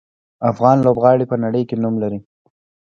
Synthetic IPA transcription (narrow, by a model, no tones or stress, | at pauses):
afɣɑnlobɣɑɽipənaɽəjkenumlaɾi